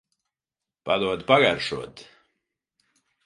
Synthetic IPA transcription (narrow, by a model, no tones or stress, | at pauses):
pad̪uɔd̪paɡaɾʃuɔt̪